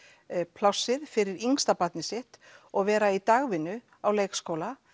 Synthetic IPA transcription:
pʰlawsːɪð̥fɪɾɪɾiŋst̪apat̪nɪsɪht̪ɔɣvɛːɾait̪aɣvɪnːʏ | awleːjkskoːwla

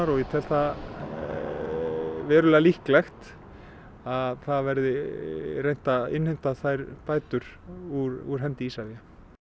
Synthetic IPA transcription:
aɾɔjɛt̪ʰɛl̥t̪a | vɛːɾʏlɛːɣalihklɛxt̪ | aðθaðvɛɾðɪrejn̥t̪aɪ̰nhejn̥t̪aθajɾpaːjt̪ʏɾ̥ | uɾuɾ̥ɦɛnt̪ɪiːsaðja

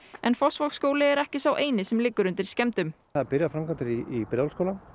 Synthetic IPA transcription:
ɛnfɔsvɔkskoːwlɪɛɾɛhcɪsawʔeːjnɪsɛmlɪkːʏɾʏnt̪ɪɾ̥scɛmt̪ʏm | aðapɪɾjafɾamkant̪ɪɾiipɾjawlskowlan

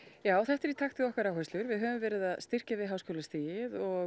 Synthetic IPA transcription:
jaːwθɛht̪ɛɾit̪ʰaxt̪ɪðɔhkaɾawhœst̪lʏɾvɪðɦœvʏmvɛːɾɪðaðst̪ɪr̥cavɪðɦaːwskoːwlast̪iːjɪðɔ

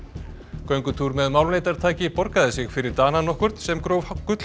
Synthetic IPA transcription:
kœɥŋkʏt̪ʰuɾmɛðmawlmleːjt̪aɾ̥t̪ʰaːcɪpɔɾkaðɪsɪɣfɪɾɪɾt̪aːnanɔhkʏɾ̥t̪sɛmkɾowvhakːʏt̪

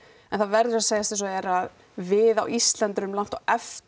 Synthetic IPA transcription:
ɛnθaðvɛɾðʏɾaðseːjasɪsɔɛɾað | vɪðawʔist̪lant̪ɾʏmlan̥t̪awɛf

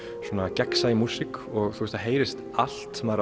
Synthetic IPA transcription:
swɔːnacɛksajɪmusɪkɔɣθust̪aɦeːjɾɪst̪ | al̥t̪sɛmaɾ

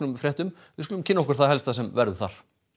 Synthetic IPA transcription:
nʏmfɾjɛht̪ʏm | vɪðs̬kʏlʏmcʰɪnːaɔhkʏɾ̥θaðhɛlst̪asɛmvɛɾðʏθa̰ɾ̥

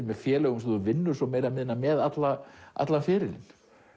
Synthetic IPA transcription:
mɛðfjɛːlɛɣʏms̬ɔðʏvɪnːʏɾ̥sɔmeːjɾamɪðɪnːamɛðat̪laʔa̰t̪lafɪːɾɪlɪ̰n

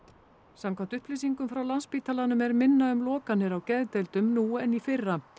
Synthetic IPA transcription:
samkʰamt̪ʏhplɪs̬iŋkʏmfɾawlanspiːt̪ʰalanʏmɛɾmɪnːaʏmlɔːkanːɪɾawcɛðt̪ejlt̪ʏmnuːɛnifɪrːa

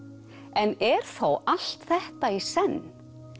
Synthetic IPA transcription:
ɛnɛɾ̥θowal̥t̪θɛht̪aisɛnː

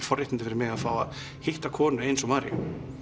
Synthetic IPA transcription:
fɔrjɪht̪nt̪ɪfɛɾɪmɪːɣaðfaːwað | hɪht̪akʰɔːnʏejnsɔmaːɾɪ̰

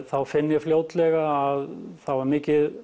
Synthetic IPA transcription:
θawfɪnːjɪfljoːwt̪lɛɣaːðθawvaɾmɪːcɪð

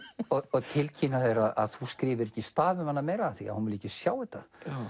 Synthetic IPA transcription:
ɔɔɣt̪ʰɪlcʰiːnaθejɾaða̰ðθuskɾiːvɪɾɛhcːɪst̪aːvʏmanːamejɾaːθia̰hunvɪliːcɪsjaːwɪt̪ːa

